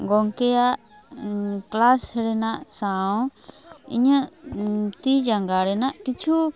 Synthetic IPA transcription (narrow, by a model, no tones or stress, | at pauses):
ɡoŋkeaʔ | klasɾenãʔsãõ | ḭɲã | t̪id͡ʒaŋɡaɾenãʔkit͡ʃu